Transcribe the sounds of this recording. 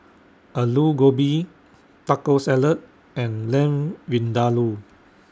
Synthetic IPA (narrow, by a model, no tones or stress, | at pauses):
ʔəluɡobi | takosɛlət̚ | ɛ̃nlɛ̃mwĩndalu